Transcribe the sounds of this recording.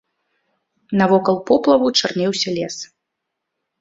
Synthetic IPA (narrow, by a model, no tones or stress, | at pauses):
nɐvɔkɐlˠpɔplˠɐvut͡ʂarnʲɛwsʲɐlʲɛs